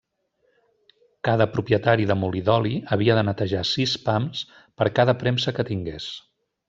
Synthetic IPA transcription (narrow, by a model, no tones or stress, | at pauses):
kaðəpɾupjət̪aɾiðəmuliðɔliəβiəðənət̪əʒasispams | pəɾkaðəpɾɛmsəkət̪iŋɡḛs